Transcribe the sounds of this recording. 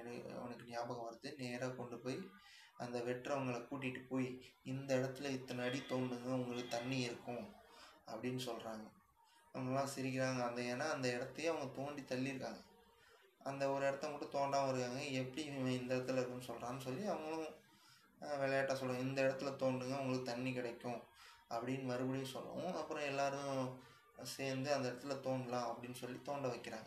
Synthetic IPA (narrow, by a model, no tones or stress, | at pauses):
ɛnɐ̰ɐnɐkːɯnɪjaːbɐɣɐ̃ʋɐɾɯt̪ːɯneːɾaːkɔɳɖɯpoːj | ɐnd̪ɐʋɛʈrɐɐʋɐŋɡɐɭɐkuːʈːɪʈːɯpoːjiɪnd̪ɐɪɽɐt̪ːɯlɐɪt̪ːɐnɐɐɽit̪oːɳɖɯŋɡɐʊŋɡɐɭɯkːɯt̪ɐɳːiɪɾɯkːʊ̃ɐpːɐɽɪnːɯsɔlɾaːŋɡɐ | ɐʋɐŋɡɐlːãːsɪɾɪk̬ːɪɾaːŋɡɐːnd̪ɐeːnːaːɐnd̪ɐɪɽɐt̪ːɯj̃ɐʋɐŋɡɐt̪oːɳɖit̪ɐlːiɪɾɯkːaːŋɡɐ | ʔɐnd̪ɐɔɾɯɛɽɐt̪ːɐ̃mʊʈːɯ̃t̪oːɳɖaːmɐɪɾɯkːaːŋɡɐɛpːɐɽiɪnd̪ɐɪɽɐt̪ːɯlɐɪnːɯsɔlɾãːnːɯsɔlːiɐʋɐŋɡɐɭʊ̃ | ʋɛɭɐjaːʈːaːsɔlːɐʊ̃ɪnd̪ɐɪɽɐt̪ːɯlɐt̪oːɳɖɯŋɡɐʋʊŋɡɐɭkːɯt̪ɐɳːikɪɽɐkːʊ̃ɐpːɐɽinːɯʋɐɾɯpɐɽɪnːɯsɔ̰lːɐ̰ʊ̃ɐpːɯɾɔ̃ɛlːaːɾʊ̃ | seːnd̪ɯɐnd̪ɐɪɽɐt̪ːɯlɐt̪oːɳɖlãːɐpːɐɽɪnːɯsɔlːit̪oːɳɖɐʋɐɪkːɪɾaːŋɡɐ